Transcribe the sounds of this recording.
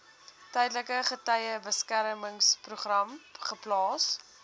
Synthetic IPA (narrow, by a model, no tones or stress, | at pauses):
tɛjdləkəχətɐjəbəskæɾməŋspruχrɐmχəplɑːs